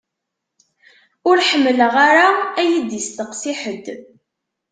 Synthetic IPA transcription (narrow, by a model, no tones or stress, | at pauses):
ʊɾħəmːələʁaɾaæjəd̪ist̪əqsiħəd̪